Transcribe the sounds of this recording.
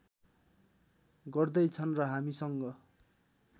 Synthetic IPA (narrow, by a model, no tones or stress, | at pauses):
ɡʌrd̪ʌjt͡sʰʌnrʌɦamisʌŋɡʌ